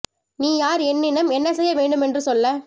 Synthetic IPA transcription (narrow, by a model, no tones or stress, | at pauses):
niːjaːɾɛnːɪnɐmɛnːɐsɛjːɐʋeːɳɖɯmɛndrɯsɔlːɐ